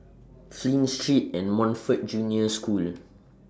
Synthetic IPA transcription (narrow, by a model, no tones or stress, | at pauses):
flĩnstɹitɛ̃nmɔ̃nfət̚d͡ʒũniəskul